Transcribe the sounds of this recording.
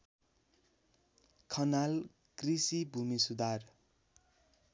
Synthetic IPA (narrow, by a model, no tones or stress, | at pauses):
kʰʌnal | krisibʱumisud̪ar